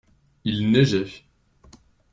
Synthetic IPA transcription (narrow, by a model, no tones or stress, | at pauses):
ilneʒɛf